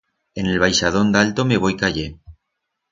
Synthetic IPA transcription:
ene̞lβ̞ajʃað̞o̞nd̪alt̪ome̞β̞o̞jkaʝe

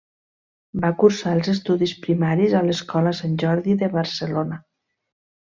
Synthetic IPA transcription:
bakuɾsaəlˠzest̪uðispɾimaɾizaləskɔləsanʲʒɔɾðiðəβəɾsəlona

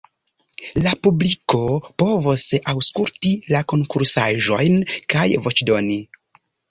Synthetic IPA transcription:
lapubliko̞po̞vosawskultilako̞ŋkuɾsaʒo̞jnkajvo̞t͡ʃdo̞ni

